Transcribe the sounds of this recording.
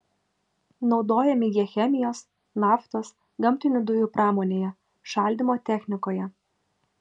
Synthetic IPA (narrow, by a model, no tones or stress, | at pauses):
nɒʊd̪oːjɛmʲɪjiɛxʲɛmʲɪjoːs | nɑːft̪oːs | ɡɐmʲt̪ʲɪnʲʊd̪ʊjuˑpɾɑːmoːnʲeːjɛ | ʃɐˑlʲd̪ʲɪmoːt̪ʲɛxʲnʲɪkoːjɛ